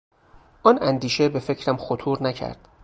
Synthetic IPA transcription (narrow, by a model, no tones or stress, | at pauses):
ʔɒːnænd̪iːʃe̞be̞fe̞cʰɾæmxot̪ʰuːɾnæcʰæ̰ɾd̪̥